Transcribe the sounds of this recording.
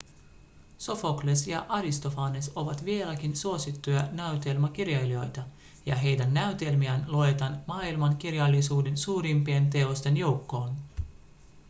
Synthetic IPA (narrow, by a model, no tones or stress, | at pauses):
so̞foklesjɑ̰ʔɑɾist̪o̞fɑːneso̞ʋɑt̪ʋielækinsuo̞sit̪ːujɑnæɥt̪elmɑk̟irjɑjlio̞jt̪ɑ | jɑɦe̞jdænːæyt̪e̞lmiænloet̪ɑnmɑːilmɑŋkirjɑlːisuːde̞nsuːɾimpient̪̬e̞o̞st̪e̞njo̞wkːo̞ːn